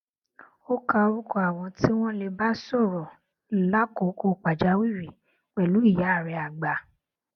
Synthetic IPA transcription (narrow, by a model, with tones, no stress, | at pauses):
o˦ka˧o˧ɾu˦kɔ˦a˨wɔ̃˧ti˦w̃ɔ̃˦le˧ba˦sɔ˦˨ɾɔ˨ | la˦ko˨˦ko˧k͡pa˨d͡ʒa˨˦wi˦˨ɾi˨ | k͡pɛ˨lu˨˦i˦˨ja˨˦a˦˨ɾɛ˧˦a˨ɡ͡ba˨